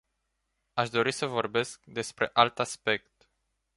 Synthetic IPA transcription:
aʃd̪o̞ɾisəvo̞rbe̞sk̚d̪e̞spɾe̞ʔalt̪aspe̞kt̪

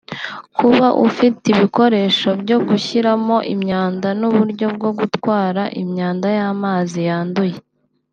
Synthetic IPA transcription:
kuβaʔufitiβiko̞ɾe̞ʃo̞bɟo̞ɡuçiɾamo̞ʔimɲaːndanuβuɾɟo̞b̚ɡo̞ɡutwaːɾaʔimɲaːndajaːmaːzijaːnduje̞

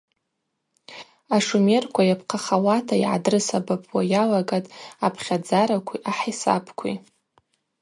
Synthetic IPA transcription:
aʂume̞rkʷʰajapʰqʰaχawatʰaiʕa̰drɨsabapʰʼwajalaɡatʼapʰχʲad͡zaɾakʷʰiʔaħisa̰pʰkʷʰḭ

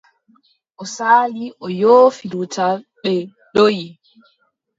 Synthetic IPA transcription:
ʔɔsaːliʔɔjoːfiɾutʰa | ɓɛ | ɗoji

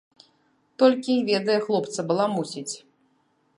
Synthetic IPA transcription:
t̪ɔlʲkʲiivʲɛd̪ɐjɛxlˠɔpt̪sɐbɨlˠamusʲit͡sʲ

